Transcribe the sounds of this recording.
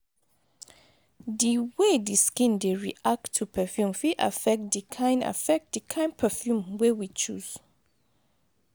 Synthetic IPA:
diwediskĩndeɹḭʔak̚tʰːupʰɛfjũmfiʔa̰fɛk̚tdikʰãɪ̃nda̰fɛk̚td̥ikʰãɪ̃npʰɛfjũmwewit͡ʃuz̥

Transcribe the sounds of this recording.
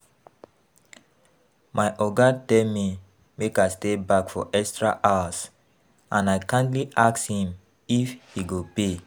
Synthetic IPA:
maɪʔɔɡatɛlmi | mekastebakfɔ̰ʔɛkstɹaʔawas | ãnaɪkãntliʔakshĩm | ifhiɡope

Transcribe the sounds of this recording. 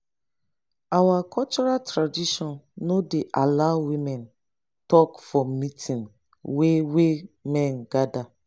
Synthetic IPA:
awakʰɔlt͡ʃɔɹaltɹadiʃɔ̃nːodeʔalaʊwimɛ̃n | tɔkfɔmitʰĩn | wewemɛ̃nɡada

